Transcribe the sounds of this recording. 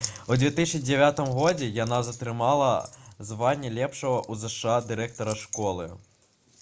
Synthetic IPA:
ud͡zʲvʲɛt̪isʲd͡zʲɛʋʲat̪ɨmɣɔd͡zʲɛjanazɐt̪ɾɨmalˠɐzʋanʲːɐlʲɛpʂɐɣɐʔuzɛʂɨad̪ɨɾɛk̚t̪ɔɾɐʂkɔlˠɨ̰

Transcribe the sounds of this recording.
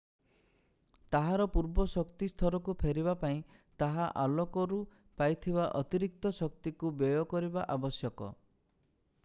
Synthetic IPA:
t̪aɦaɾɔpuɾbɔsɔkt̪ist̪ʰɔɾɔkupʰeɾibapaĩt̪aɦaʔalɔkɔɾu | pajt̪ʰibaʔɔt̪iɾik̚t̪ɔsɔk̚t̪ikubjɔjɔkɔɾibaʔabɔsjɔkɔ̰

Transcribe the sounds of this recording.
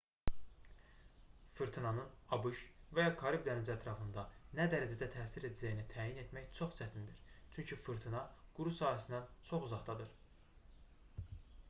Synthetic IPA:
fɯɾt̪ʰinɑnɯnɑbɯʃvæjɑkʰɑɾibd̪ænid͡ʒæt̪ʰɾɑfɯnd̪ɑnæd̪æɾæd͡ʒæd̪æt̪ʰæːsiɾe̞d̪æd͡ʒæjinit̪ʰæːjine̞t̪mæçt͡ʃʰo̞χt͡ʃʰæt̪ʰind̪iɾ̥t͡ʃʰyɲcʰifɯɾt̪ʰinɑɡ̥uɾusɑːhæsind̪ænt͡ʃʰo̞χuzɑʁd̪ɑd̪ɯɾ

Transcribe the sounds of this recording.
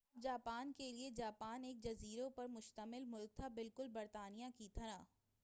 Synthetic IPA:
b̚d͡ʒaːpaːnkelied͡ʒaːpaːneːk̚d͡ʒɐziːɾõpɐɾmʊʃt̪əmɪlmʊlk̚t̪ʰabɪlkʊlbɐɾt̪aːnijãkit̪ʰɐɾãː

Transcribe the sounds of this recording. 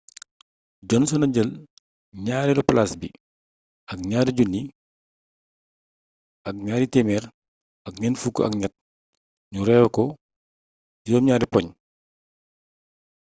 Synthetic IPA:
ɟɔnsɔnɐɟəl | ɲaːɾiluplasbi | ɐk̚ɲaːɾiɟunːi | ɐk̚ɲaːɾitɛmɛːr | ɐkɲɛnfukːʔɐ̰kɲɐt̚ | ɲuɾɛːwɐkɔ | d͡ʒuɔːmɲaːɾipɔɲ

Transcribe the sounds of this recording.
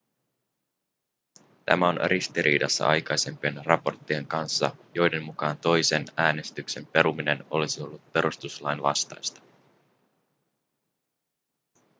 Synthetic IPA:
t̪æ̰mæo̞nrist̪iɾḭːdɑsːɑ̰ʔɑ̰jkɑjse̞mpienrɑpo̞rt̪ːie̞ŋkɑnsːɑ̰jo̞jde̞mːukɑːnt̪o̞jse̞næːne̞st̪ykse̞mpe̞ɾumine̞no̞̰lisio̞lːut̪̚pe̞ɾust̪uslɑjnʋɑ̰st̪ɑjst̪ɑ̥

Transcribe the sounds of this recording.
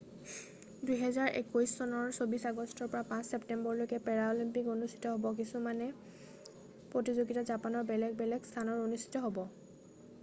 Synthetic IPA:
dujɦɛzaɹʔḛkojssɔnɔɹsobisaɡɔstʰɔɹpɔɹapãsseptɛmbɔɹlojkɛpɛɹaolimpikonustʰi̥tɔɦobɔk̬isumanɛ | pɹotizoɡitɔzapanɔɹbɛlɛɡ̚bɛlɛɡstʰanɔɹonustʰi̥tɔɦobɔ

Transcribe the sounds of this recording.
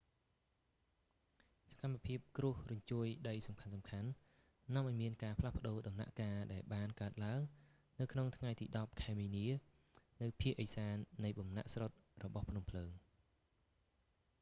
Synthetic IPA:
sḁkamːapʰiəp̚krʊəhrʊɲt͡ɕuəjɗəjsɑmkʰansɑmkʰanː | ɔ̆əmʔaɔjmiənkaːpʰlahpə̆ɗoːɗɑmna̰ʔkaːɗaɛlɓaːnkaət̪̚laəŋ | nɨwkʰnoŋt̪ʰŋajt̪ḭːɗɑp̚kʰaɛmiːniə | nɨwpʰiəʔəjsaːnːɨjɓɑmna̰ʔsrot̪̚rɔɓɑhpʰnumpʰləːŋ

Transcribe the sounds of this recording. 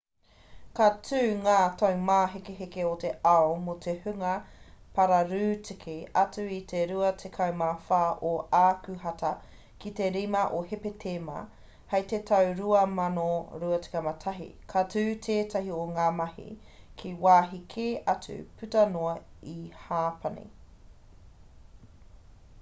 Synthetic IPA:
katʰʉːŋaːtʰɐwmaːɦekeɦekeoteawmotʰehʉŋɐpɐɾɐɾʉːtʰikʰeɐt͡sʉitʰeɾuɐtʰekʰɐwmafaːʔoaːkʉɦɐtɐ | kite̞ɾimɐʔohepetʰeːmɐ̰ | hɐjtetʰɐwɾuɐmɐnoɾuɐti̥kɐmɐtʰɐɦḭkʰatʰʉːtʰeːtɐɦioŋaːmɐhḭ | kʰiwaːɦikʰeːʔɐt͡sʉ̰pʰʉtɐnoɐihaːpʰɐnḛ

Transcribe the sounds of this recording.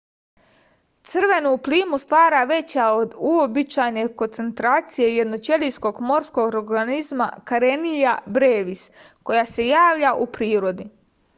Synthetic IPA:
t̪sɨr̩ʋe̞nuːpliːmust̪ʋaːɾaʋe̞t͡ɕaod̪uobit͡ɕaːjne̞ko̞nt̪se̞nt̪ɾaːt̪sije̞je̞d̪no̞t͡ʃe̞lisko̞ɡmo̞ɾskoɡoɾɡanizma̰kaɾenijabɾeːʋis | ko̞jase̞jaːʋʎaʔupɾiːɾo̞d̪i

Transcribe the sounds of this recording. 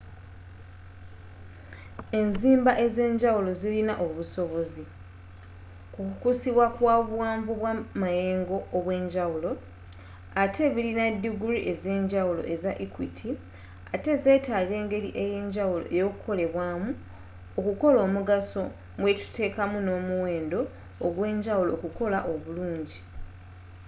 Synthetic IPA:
e̞nziːmbaʔe̞ze̞ːɲɟawulo̞zilinaʔo̞βuso̞βo̞zi | kukukusiβwakwaβuwaːɱvuβwamaje̞ːŋɡo̞ːβwe̞ːɲɟaulo̞ | atʰe̞ːβilinadːiɡuɾiʔe̞ze̞ːɲɟawulo̞̰ʔe̞zaʔikwitʰi | ate̞ze̞ːtaːɡe̞ːŋɡe̞liʔe̞je̞ːɲɟawulo̞̰ʔejo̞kuko̞le̞βwaːmu | okuko̞lo̞ːmuɡaso̞ | mwe̞ci̥te̞ːkamuno̞ːmuwe̞ːndo̞ː | ɡwe̞ːɲɟawulo̞ːkuko̞laʔo̞βuluːɲɟi

